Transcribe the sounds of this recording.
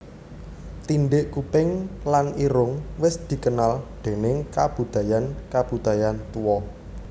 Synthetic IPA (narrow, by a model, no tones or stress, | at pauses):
t̪inɖɪʔkupɪŋlaniɾʊŋwɪsd̪̥i̤kənalɖ̪̥e̤nɪŋkab̥ṳd̪̥a̤jankab̥ṳd̪̥a̤jant̪uwɔ